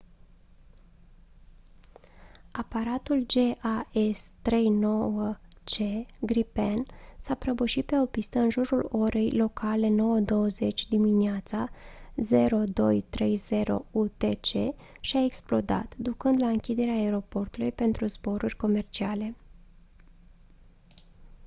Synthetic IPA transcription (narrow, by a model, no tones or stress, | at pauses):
apaɾat̪uld͡ʒe̞ʔaest̪ɾe̞jno̞wət͡ʃe̞ɡɾipensapɾəbəʃit̪̚pe̞o̞pist̪əɨnʒuɾulo̞ɾe̞jlo̞kʰale̞no̞wəd̪o̞wəze̞t͡ʃʲd̪iminieat̪saze̞ɾo̞d̪o̞jt̪ɾe̞jze̞ɾo̞̰ut̪e̞t͡ʃe̞ | ʃiae̞ksplo̞d̪a̰t̪d̪ukɨnd̪laɨŋkʲid̪e̞ɾeaːe̞ɾo̞po̞rt̪ulujpe̞nt̪ɾuzbo̞ɾurʲko̞me̞rt͡ʃiale̞